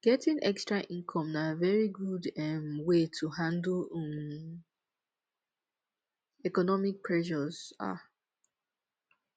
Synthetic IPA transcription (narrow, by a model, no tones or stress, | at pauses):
ɡ̥ɛtĩŋʔɛkstɹaʔĩnkʰɔ̃mnavɛɹiɡudɛmwetʰuhãndlɛm | ɛkɔnɔmik̚pʰɹɛʃɔz̥a̰